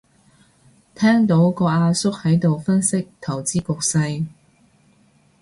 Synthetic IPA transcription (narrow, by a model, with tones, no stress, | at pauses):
t̪ʰɛː˥ŋt̪o˨˥wkɔː˧aː˧sʊ˥k̚hɐ˨˥jt̪o˨wfɐ˥nsɪ˥k̚t̪ʰɐ˨˩wt͡siː˥kʊ˨˧k̚sɐ˧j